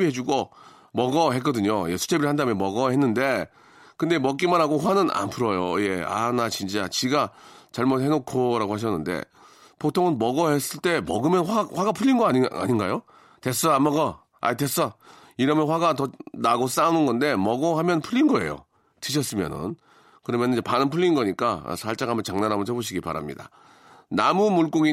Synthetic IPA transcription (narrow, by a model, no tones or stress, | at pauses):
iɦe̞d͡ʑuɡo | mʌɡʌɦek͈ʌdɯɲojesʰu̥t͡ɕʰebiɾɭhandamjʌnmʌɡʌɦe̞nːɯnde̞ | kɯnde̞mʌk͈imanɦaɡoɸwanɯna̰npʰuɾʌjo̰je̞a̰nat͡ɕint͡ɕ͈at͡ɕiɡat͡ɕaɭmot̚he̞nokʰoɾaɡohaɕ̬ʰʌnːɯnde̞̰ | potʰoŋɯnmʌɡʌhe̞s͈ɯɭt͈e̞mʌ̰ɡɯmjʌnɸaɸwaɡapʰuʎːinɡʌaia̰ɲinɡajo | te̞s͈ʌamaɡʌ | a̰ites͈ʌ | iɾʌmjʌnɸwaɡatʌnaɡos͈anɯnɡʌnde̞mʌɡʌɦamjʌnpʰuʎːinɡʌe̞̰jo̰ | tɯɕ̬ʰʌs͈ɯmjʌ̰nɯ̰n | kɯɾʌmjʌnid͡ʑepanɯnpʰuɭːinɡʌɲik͈a̰sʰaɭt͡ɕ͈aɡamjʌnt͡ɕaŋnanɦamɯnsʰeboɕ̬ʰiɡipa̰ɾa̰mɲḭda̰ | namumuɭk͈oɡi